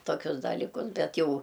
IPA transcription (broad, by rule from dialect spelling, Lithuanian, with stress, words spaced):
toːˈkʲʊs dɐlʲiːˈkʊs ˈbʲɛt ˈjɛʊ